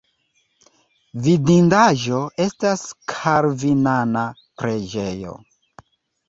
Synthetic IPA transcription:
vidindaʒo̞e̞staskʰaɾvinana | pɾe̞d͡ʒe̞jo̞̰

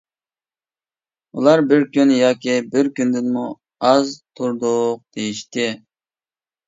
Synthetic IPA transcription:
ṵlˠɑɾbɪɾkʲynjɑːkʲʰibɪɾkʲynd̪ɪnmu | ɑzt̪ʰuɾd̪ʊq̚d̪̥ejiʃt̪ɪ

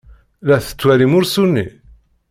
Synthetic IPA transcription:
læθə̥t͡sːwæɾimʊɾsunːḭ

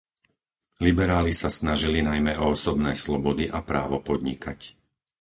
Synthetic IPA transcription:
libɛɾaːlisasnaʒilinajmɛɔɔsɔbnɛjslɔbɔd̪iʔapɾa̰ːʋɔpɔd̪ɲḭkʰac

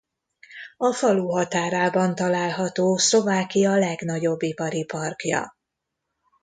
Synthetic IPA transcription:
ɒfɒluːɦɒt̪aːɾaːbɒnt̪ɒlaːlɦɒt̪oːslo̞vaːkijɒlɛɡnɒɟo̞bːipɒɾipɒrkjɒ̰

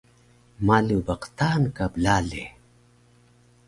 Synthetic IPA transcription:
malubɐqt̪aːnkablale

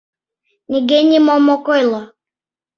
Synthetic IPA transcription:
nʲiɡenʲimɔmɔkɔjlˠɔ

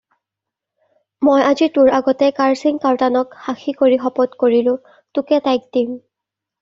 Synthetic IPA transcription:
mojazituɹaɡɔtɛkaɹsiŋkaɹtanɔkxaxʰikoɹixɔpɔtkoɹilʊ̃ | tʊkɛtajk̚d̥im

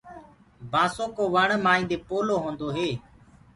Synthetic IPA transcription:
bʱaːsõːkoːʋəɳmaːĩːd̪eːpoːloːɦõːnd̪oːɦeː

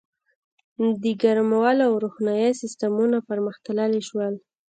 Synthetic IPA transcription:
d̪əɡaɾmawalawɾuxnajasɪst̪amunapaɾməxt̪alaliʃwəl

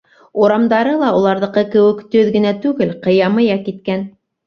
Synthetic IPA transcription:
uɾɑmd̪ɑɾɤlˠɑulˠɑɾðɤ̆qɤkɘ̆wɘ̆kt̪ɵðɡɘ̆næt̪ʉɡɘlqɤ̆jɑmɤ̆jɑkit̪̚kæn

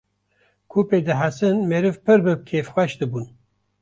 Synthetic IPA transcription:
kʰuːpeːd̪ɨɦasɨnmeɾɨvpʰɨɾbɨkʰeːfxʷwɛʃd̪ɨbuːn

